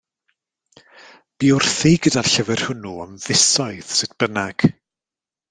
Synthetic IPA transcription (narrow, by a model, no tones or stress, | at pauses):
b̥iːʊrθiɡədarɬəvɛr̥hʊnuɔmðɪsɔɨð̥sɨdb̥ənaɡ̥